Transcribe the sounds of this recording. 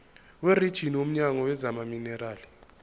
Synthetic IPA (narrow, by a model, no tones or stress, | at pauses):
werid̥ʒ̥ʱiniwom̩ɲaŋɔwɛzamaminɛraːli